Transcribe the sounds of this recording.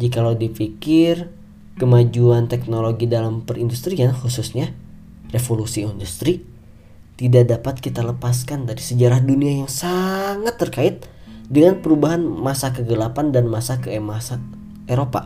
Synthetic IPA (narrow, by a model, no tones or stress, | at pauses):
d͡ʒikaladifikɪr | kəmad͡ʒuant̪ɛk̚noloɡidalampərindust̪ɾianxususɲa | refolusiindust̪ɾi | t̪idaʔdapat̪̚kit̪aləpas̬kandaɾisəd͡ʒaɾahduniajaŋsaŋat̪ːərkaɪt̪̚dəŋanpəɾubaɦanmasakəɡəlapandanmasakəmasa | eɾopa̰